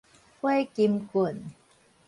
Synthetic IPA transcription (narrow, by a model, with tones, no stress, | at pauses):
kwa˥jki˧mku˨˩˨n